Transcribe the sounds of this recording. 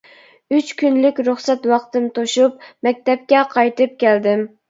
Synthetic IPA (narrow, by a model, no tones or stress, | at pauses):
yt͡ʃkʲʰynlɪkʲɾuχsɛt̪wɑqt̪ɨmt̪ʰoʃup̚mɛk̚ʲt̪ɛp̚kʲɛqʰɑjt̪ɨp̚kʲʰæld̪ɪm